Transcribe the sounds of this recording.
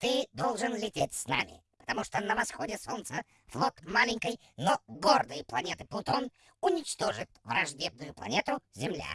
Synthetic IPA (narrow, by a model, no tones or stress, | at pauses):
t̪ɨd̪olˠʐɨnlʲɪtʲetʲsna̰mʲɪ̰pə̥t̪ɐmuʂt̪onəvɐsxodʲɪsont̪sə | flˠot̪malʲɪŋʲkəj | noɡord̪ɨjəplˠɐnʲet̪ɨplˠʊt̪on | ʊnʲɪt͡ɕt̪o̞ʐɨt̪vrɐʐdʲeb̚nʊjʊplˠɐ̰nʲet̪ʊzʲɪmlʲa̰